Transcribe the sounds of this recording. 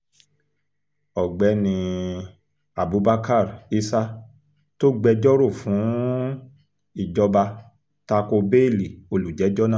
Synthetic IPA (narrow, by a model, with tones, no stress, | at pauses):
ɔ˨ɡ͡bɛ˨˦nĩ˧ | a˨bu˨˦ba˦ka˦˨ɾi˧sa˦ | to˦ɡ͡bɛ˧d͡ʒɔ˦ɾo˦˨fũ˨˦ | i˦˨d͡ʒɔ˧ba˧ | ta˧ko˧be˦˨li˨o˧lu˨d͡ʒɛ˨˦d͡ʒɔ˦nã˦˨